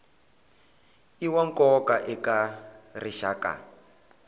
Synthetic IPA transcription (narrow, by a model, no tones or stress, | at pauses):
iwaŋkɔkaʔɛkariʃa̰ka̰